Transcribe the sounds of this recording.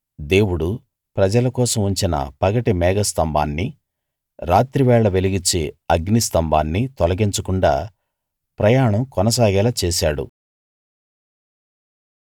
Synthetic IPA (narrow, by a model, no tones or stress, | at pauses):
d̪e̞ːwuɽu | pɾɐd͡ʒɐlɐkɔːsɐmuɲt͡ʃinɐ̰pɐɡɐʈimɛːɡɐst̪ɐmbʱa̰ːnːi | ɾaːt̪ɾiʋɛːɭɐʋe̞liɡit͡ʃːeɐɡnist̪ɐmba̰ːnːit̪ɔlɐɡiɲt͡ʃɐkuɳɖa̰ː | pɾɐjaːɳɐmkɔnɐs̬aːɡɛːlɐt͡ʃɛːsaːɽṵ